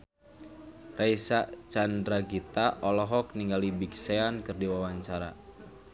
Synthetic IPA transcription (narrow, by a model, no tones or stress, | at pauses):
raisaʔt͡ʃandɾaɡit̪aʔɔlɔɦɔk̚niŋɡalibikseankɨrdiwawaɲt͡ʃaɾa̰